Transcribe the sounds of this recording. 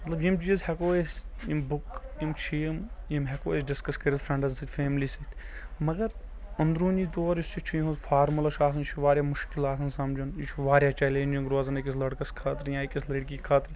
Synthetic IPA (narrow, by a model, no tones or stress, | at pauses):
mɐt̪lɐbjimt͡ʃiːzhɛkoːeːsjimbʊkjimt͡ʃʰijmjimɦɛkoːesɖɪskɐskɾʲed̪fʰɾɐ̃ɳɖɐnsit̪ʲfʰeːmliːsit̪ʲʰmɐɡɐɾ | ɐnd̪ɾuːniːt̪oːɾjist͡ʃit͡ʃʰijiɦũzfʰaːɾmɐlɐʃaːs̬ɐnit͡ʃʰuʋaːɾʲjaːmʊʃkɪlaːsɐnsɐmd͡ʒuniʃʰuʋaːɾjaːt͡ʃɛːleːnd͡ʒiŋɡɾoːzɐnekis̬lɐɽkɐskʰɐːt̪ɾjãːikisleːɖkikʰaːt̪ɾ